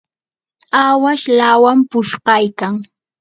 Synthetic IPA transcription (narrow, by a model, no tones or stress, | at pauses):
awaʃlawampʊʃɢɑjkaŋ